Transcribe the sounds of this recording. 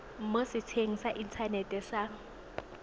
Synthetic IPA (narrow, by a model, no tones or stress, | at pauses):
m̩mosɪt͡sʰeŋ̩saʔint͡sʰanɛtʼɛsaŋ